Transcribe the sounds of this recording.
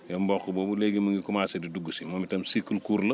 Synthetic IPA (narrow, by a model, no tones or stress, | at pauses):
jɐmbɔkːubɔːbuleɡimɐŋɡikumaːsɐdiduɡːusimɔːmitɐmsikːəlkuːɾlə